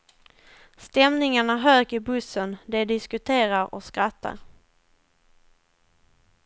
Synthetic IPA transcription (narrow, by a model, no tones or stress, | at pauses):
st̪ɛmnɪŋaɳaɦøːɡɪbɵsənd̪ɛd̪ɪskɵt̪ʰeːɾaɾɔ̰skɾat̪ʰːa̰ɾ